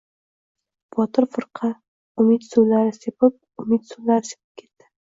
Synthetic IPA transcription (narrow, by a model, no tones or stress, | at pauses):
b̥ɒt̪ɪɾfɨɾqʰɑ | ʊmɪt̪sulaɾɪsepɪp̚ʊmɪt̪sulaɾɪse̥pɪ̥p̚kʲʰe̞t̪d̪̥ɪ̥